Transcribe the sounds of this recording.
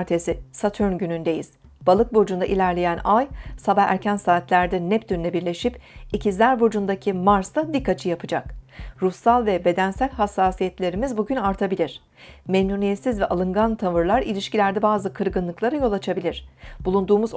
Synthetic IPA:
ɾt̪ʰesisat̪ʰyɾnɟynynd̪e̞jḭz̥ | b̥alˠɯk̚bo̞d͡ʒund̪aʔilʲæɾlʲe̞jænajsabaɦæ̰ɾcʰænsaːt̪lʲæɾd̪ɛnɛp̚d̪ynnɛbiɾlʲe̞ʃipicʰizlʲæɾbod͡ʒund̪acʰimaɾsd̪ad̪ikːat͡ʃʰɯjapʰɯd͡ʒakɾusalˠvɛbe̞d̪ænsælʲhasːaːsijɛt̪lʲe̞ɾimizbuɟynaɾt̪ʰabilʲiɾ̝̥ | memnunijɛt̪sizvɛʔalˠɯŋɡant̪ʰavɯɾlˠaɾilʲiʃcilʲæɾd̪ɛbaːzɯkʰɯɾɡɯnlˠɯklˠaɾajo̞lˠat͡ʃʰabilʲiɾ̥b̥ulˠund̪uːmuz

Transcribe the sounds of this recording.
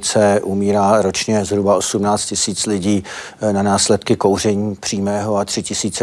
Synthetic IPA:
t͡sɛʔumiːɾaːɾo̞t͡ʃɲɛzɦɾubaosumnaːt͡st̪̚cɪsiːt͡slɪɟiː | nanaːslɛt̪kɪko̞wr̝ɛɲiːpr̝̥iːmɛːɦo̞at̪r̥ɪcɪsiːt͡sɛ

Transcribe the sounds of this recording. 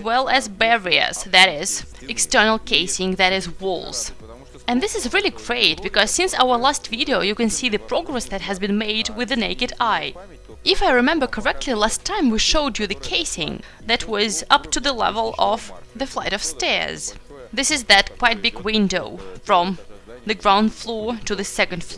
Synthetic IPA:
zwɛlˠɨzbɛɹiə̰˞zðɨɾɪz̥ | ɨkstɜ˞nl̩ˠkʰeɪsɪ̃ŋðɨɾɪzwʊ̰lˠz̥ | ɨ̃nðɪsɨzɹɪlˠiɡɹeɪt̚b̥ɨkʌz̥sɪ̃nsa̰ʊə˞læstv̥iɾioʊjɨkɨ̃nsiðɨpʰɹ̥ɔɡɹɛsðɨt̚ɦɨzbɨ̃nmeɪd̚wɨðɨneɪkɨɾaɪ | ɨfaɪɹɨmɛ̃mbə˞kʰə˞ɛk̚tʰlilæstʰãɪ̃mwiʃoʊd͡ʒɨðɨkʰeɪsɪ̰̃ŋ | ðɨt̚wʌzʌptʰɨðəlɛ̰vəl̩ˠʌvðɨflaɪɾʌv̥stɛ̰ɹz̥ | ðɪsɨzðɨt̚kʰw̥aɪt̚b̥ɪɡwɪ̃ndoʊfɹʌ̃m | ðɨɡɹãʊ̃nd̥flɔɹɾɨðɨsɛkɨ̃n̩d̥flɔɹ

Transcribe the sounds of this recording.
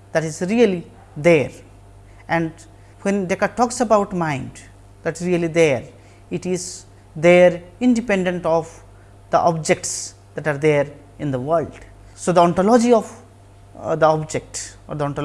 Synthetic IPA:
d̪̥æʈizɾiəli | d̪eɾ | ʔɛ̃ɳɖ | wẽnɖekaʈɔːksəbaʊʈmãɪ̃ɳɖ | d̪æʈɾiəlid̪eɾ | ɪʈiz | d̪eɾɪ̃ɳɖipɛ̃ɳɖẽɳʈɔʋ | d̪̥ə̰ʔɔb̚d͡ʒek̚ʈs | d̪̥æʈaːɾd̪eːɾ | ɪ̃nd̪əʋəlɖ | soːd̪əɔ̃ɳʈɔlɔd͡ʒiɔʋ | d̪əɔbd͡ʒek̚ʈɔ̰ːɾd̪əɔ̃ɳʈ

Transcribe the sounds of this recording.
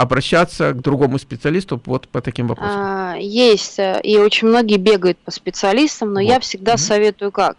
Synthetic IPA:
ɐbɾɐɕːat̪səɡd̪ɾʊɡo̞mʊspʲɪt̪sɨɐlʲist̪ʊvot̪pət̪ɐkʲimvɐpɾosjesʲtʲio̞t͡ɕɪnʲmno̞ɡʲɪjəbʲe̞ɡəjʊt̪̚pəspʲɪt̪sɨɐlʲist̪əmno̞jafsʲɪɡ̚d̪asɐvʲe̞t̪ʊjʊkak̚

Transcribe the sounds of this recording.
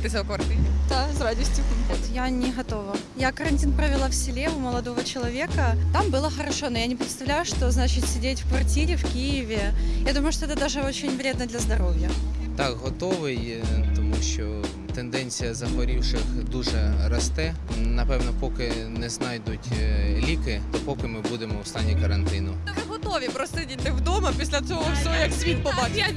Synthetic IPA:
t̪ɨsʲɐlkɐrt̪ɨnʲɪd̪asradʲɪsʲtʲʊpɪet̪janʲɪɣɐt̪o̞vɐ | jakəɾɐnʲtʲinpɾəvʲɪlˠafsʲɪlʲeʊməlˠɐd̪o̞vət͡ɕɪlˠɐvʲekət̪ambɨlˠəxəɾɐʂo̞nojanʲɪpɾʲɪt̪st̪ɐvlʲæjʊʂt̪o̞znat͡ɕɪtʲsʲɪdʲetʲfkvɐrtʲiɾʲɪfkʲijɪvʲɪjad̪uməjʊʂt̪oɛt̪əd̪aʐɨo̞t͡ɕɪnʲvɾʲed̪nəd̪lʲɐzd̪ɐɾo̞vʲjət̪akɦɔt̪oʋɪj | t̪ɔmuʃt͡ʃɔ | t̪end̪ɛnʲt͡sʲijɐzɐxʋɐɾʲiwʂɪxd̪uʐɛrɐst̪ɛ | nɐpɛwnɔpɔkɪnɛznɑjd̪ʊtʲlʲikɪt̪ɔpokɪmɪbud̪emɔʊst̪ɑnʲːikɐɾɐnt̪ɪnʊvɨɦɔt̪oʋʲɪpɾost̪əidʲɪt̪ːɪvd̪omɐpʲisʲlʲɐsoʋɔfsʲjɐksʲʋʲit̪̚ʲpɐpat̪ʲ

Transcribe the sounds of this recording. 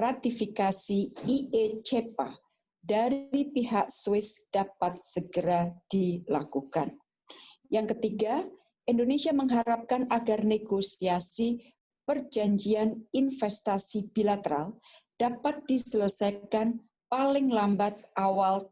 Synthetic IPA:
rat̪ifikasiiet͡ʃepa̰ | daɾipiɦakswɪsd̥apat̪̚səɡəɾad̥ilakukan | jaŋkət̪iɡa | ʔindonesiaməŋɦaɾap̚kanaɡarneɡosiasi | pərd͡ʒaɲd͡ʒianinfɛst̪asibilat̪əɾald̥apat̪̚disələsajkan | palɪŋlambat̪̚ʔawal

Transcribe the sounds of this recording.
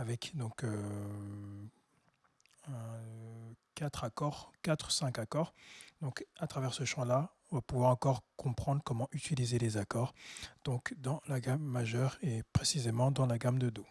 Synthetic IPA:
avɛkd̪ɔ̃kø | ɛ̃ | kat̪χakɔʁkat̪χsɛ̃kakɔʁd̪ɔ̃kat̪χavɛʁsəʃɑ̃la | ɔ̃vapuvwaʁɑ̃kɔʁkɔ̃pχɑ̃d̪ʁkɔmɑ̃ʔyt̪ilizelezakɔʁd̪̥ɔ̃kd̪ɑ̃laɡamːaʒœʁepχesizemɑ̃d̪ɑ̃laɡamd̪əd̪o

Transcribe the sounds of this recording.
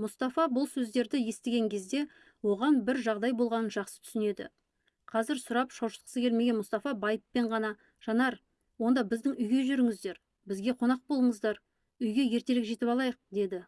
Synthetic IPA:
mʊst̪ɑfɑbʊlˠsɵzd̪eɾd̪ɪje̞st̪ɪɡʲe̞ŋkʲʰe̞zd̪e̞ | wo̞ʁɑnbɪɾʒɑʁd̪ɑjbo̞lˠʁɑnənʒɑqsə̥t̪ʰʏ̥sɪne̞d̪ɪ̰ | qʰɑzɪɾsʊɾɑpʃɑwʃə̥lˠqəsəkʲʰelme̞ɡʲe̞nmʊst̪ɑfɑbɑjəpːe̞ɴʁɑnɑ | ʒ̥ɑnɑɾ | wo̞nd̪ɑbɪzd̪ɪŋʏjɡʲe̞ʒʏɾɪŋɪzd̪e̞ɾ | bɪzɡʲe̞qʰo̞nɑq̚bolˠəɴəzd̪ɑɾ | ʏjɡʲe̞je̞ɾt̪e̞ɾɪkʒe̞t̪ɪpɑlˠɑjəq̚d̪e̞d̪ɪ

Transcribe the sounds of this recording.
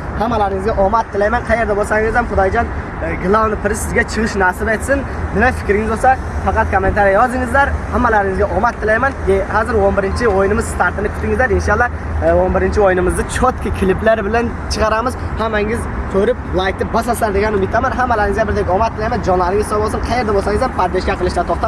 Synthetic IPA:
hamːalaɾɪŋɪzɡʲaʔɔmat̪ʰːɪlajmanqʰɑje̞ɾd̪abolˠsaŋɪzamχʊd̪ɒjd͡ʒɒn | ɡlˠawnɪpʰɪɾɪsɪzɡʲat͡ʃʰɨʁɨʃnasɪd̪ajt̪sɪn | nɪnafɪ̥kʲɾɪŋɪzbosa | fɑqɑt̪̚kʰomːe̞nt̪ʰaɾjjɒzd̪ɪŋɪzlaɾhamːalaɾɪŋɪzɡʲaʔɒmat̪ʰːɪlajmanhazɪɾonbɪɾɪnt͡ʃʰɪojɪnɪmɪzst̪ʰaɾt̪ɪnɪpkʰʲʊ̥t̪ːɪŋɪzlaɾɪnʃɑlˠːɑ | onbɪɾɪnt͡ʃʰɪojnɪmɪzd̪at͡ʃʰot̪kʲɪkʲʰɪlɪplaɾbɪlan | t͡ʃʰɨqɑɾamɪzhamːaŋɪzsʰɵɾɪp̚lˠajk̚ʲt̪ɪbas̬aslaɾd̪eɡʲanɪʊmɪt̪ʰːamanɦamːalaɾɪŋɪzɡʲabɪɾd̪ekʲɒmat̪ʰːɪlajmand͡ʒɒnlˠaɾɪŋɪzsɒbolˠsɨnqʰɑje̞ɾd̪abolˠsaŋɪzampʰaɾd̪eʃkʲaqʰɨlˠɪʃd̪at̪ʰoχt̪a

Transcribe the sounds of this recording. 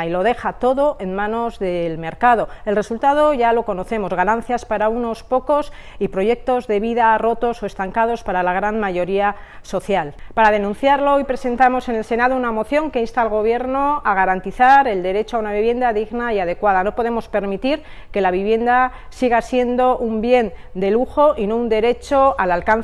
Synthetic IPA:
ilo̞ð̞e̞xat̪o̞ðo̞ʔe̞nmãno̞zðe̞lme̞ɾkað̞o̞e̞lre̞sult̪að̞o̞ʝalo̞ko̞no̞θe̞mo̞zɣanãn̟θjaspaɾauno̞spo̞ko̞s | ipɾo̞ʝe̞k̚t̪o̞zðe̞βiðaro̞t̪o̞so̞est̪aŋkað̞o̞spaɾalaɣ̞ɾanmaʝo̞ɾia | so̞θjalpaɾað̞e̞nũnθjaɾlo̞ojpɾe̞se̞nt̪amo̞se̞ne̞lse̞nað̞ounamo̞θjo̞ŋke̞inst̪alɣo̞β̞je̞ɾno̞aɣ̞aɾant̪iθaɾe̞ld̪e̞ɾe̞t͡ʃoaunaβ̞iβje̞nd̪aðiɣnaiað̞e̞kwað̞ano̞po̞ðe̞mo̞spe̞ɾmit̪iɾ | ke̞laβ̞iβje̞nd̪a | siɣ̞asje̞nd̪o̞ʔumbje̞nd̪e̞luxo̞ʔino̞und̪e̞ɾe̞t͡ʃo̞alalkan

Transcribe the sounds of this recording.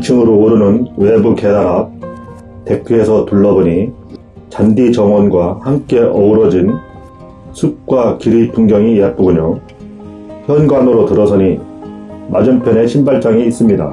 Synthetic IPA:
t͡ɕʰɯŋɯɾoːɾɯnɯnwe̞buke̞daɾap̚ | te̞k͈ʰːɯe̞sʰʌtuɭːʌboɲi | t͡ɕandit͡ɕʌŋwʌnɡwahamk͈e̞ʔʌuɾʌd͡ʑin | sʰuk̚k͈wakiɾipʰuŋɡjʌŋijep͈̚oɡuɲo | çjʌnɡwanoɾotɯɾʌsʰʌɲi | mad͡ʑɯmpʰjʌne̞ɕʰimbaɭt͡ɕ͈aŋiːs͈ɯmɲida̰

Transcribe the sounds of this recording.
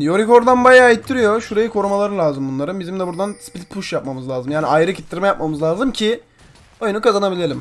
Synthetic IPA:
jo̞ɾiko̞ɾd̪anbajaːjit̪ʰːiɾijoʃuɾajɯkʰo̞ɾumalˠaɾɯlʲˠaːzɯmbunlˠaɾɯnbizimd̪ɛbuɾd̪anspilʲpʰuʃjap̚mamɯzlʲˠaːzɯmjaːniajɾɯcʰi̥t̪ʰːiɾmɛjap̚mamɯzlʲˠaːzɯmcʰɪ | o̞junukʰazanabilʲelʲim

